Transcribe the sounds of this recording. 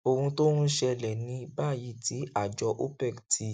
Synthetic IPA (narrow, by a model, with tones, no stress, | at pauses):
o˧ɾũ˧to˦ɾũ˦ʃɛ˧lɛ˨nĩ˧˦ba˦˨ji˨˦˨ti˨˦a˦˨d͡ʒɔ˧ʔo˦pɛ˦˨ktʰi˧